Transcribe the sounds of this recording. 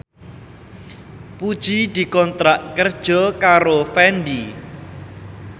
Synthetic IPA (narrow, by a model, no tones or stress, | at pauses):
pud̥ʒ̥id̪̥i̤kɔnt̪ɾaʔkərd̥ʒ̥ɔkaɾofɛnɖi